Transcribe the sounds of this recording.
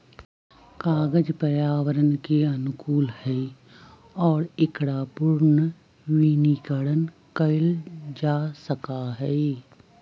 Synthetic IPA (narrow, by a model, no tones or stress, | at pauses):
kaːɡəd͡ʒpəjaːʋəɾənkeɐnʊkuːlhɛː | ɔːɾɪkɽaːpʊɾn | wiːnikəɽən | kəɪld͡ʒaːsəkaɦɛː